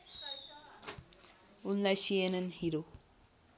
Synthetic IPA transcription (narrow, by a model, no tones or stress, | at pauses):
unlajsienənhiɾo